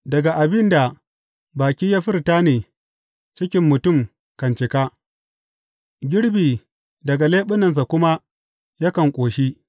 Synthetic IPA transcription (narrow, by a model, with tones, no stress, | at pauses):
dɐ˨ɡa˨ʔa˨bɪ˦nda˨ | baː˨kʲiː˦jaː˦ɸɪ˦ɾtaː˦neː˨ | t͡ʃɪ˦kʲɪ˦mːʊ˨tʊ˦˨m | kɐ˨nt͡ʃɪ˨ka˦ | ɡʲɪ˦ɽbiː˨ | dɐ˨ɡa˨leː˦ɓʊ˦nɐ˨ns̬a˨kʷʊ˦ma˦ | ja˦kɐ˨ŋkʷʼoː˨ʃi˦